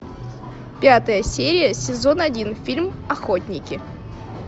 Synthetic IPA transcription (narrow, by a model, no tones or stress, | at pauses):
pʲat̪əjəsʲeɾʲɪjəsʲɪzo̞nɐdʲinfʲilʲmɐxo̞t̪ʲnʲɪkʲɪ